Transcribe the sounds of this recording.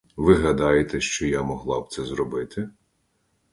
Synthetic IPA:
ʋɪɦɐd̪ɑjet̪ɛʃt͡ʃɔjamɔɦlˠɑb̚t̪sɛzɾɔbɪt̪ʰɪ

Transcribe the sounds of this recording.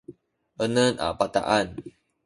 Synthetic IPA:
ənəna̰pat̪a̰ʔan

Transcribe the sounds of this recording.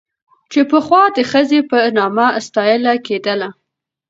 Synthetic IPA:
t͡ʃepəxwɑd̪əxəzepənɑmast̪ɑjəlaked̪əla

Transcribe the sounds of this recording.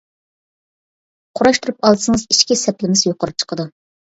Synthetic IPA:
qʰʊɾɑʃt̪uɾup̚ɑlˠɨsɨŋɨziʃkʲisɛplɪmɪzjoqʊɾup̚t͡ʃʰə̥qʰəd̪u

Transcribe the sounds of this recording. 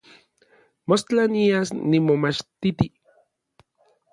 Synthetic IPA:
most͡ɬaniasnimomat͡ʃt̪it̪i

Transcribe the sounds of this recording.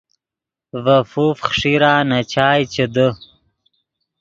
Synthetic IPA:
vɐfufχʂiɾaːnat͡ɕaːjt͡ɕed̪ə

